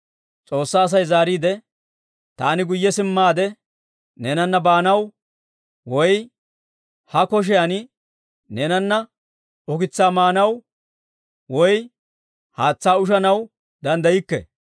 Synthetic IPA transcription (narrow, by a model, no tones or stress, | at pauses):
t͡sʼo̞ːsːaːs̬ɐjzaːɾiːd̪ɛ | t̪aːnɪɡʊjːɛsɪmːaːd̪ɛ | nɛːnɐnːɐbaːnɐw | wɔj | hɐkɔʃ̬ɛjɐnɪ | neːnɐnːɐ | ɔkɪt͡sːaːmaːnɐw | wɔj | haːt͡sːaːʊʃ̬ɐnɐw | d̪ɐnd̪ɐjɪkːɛ̰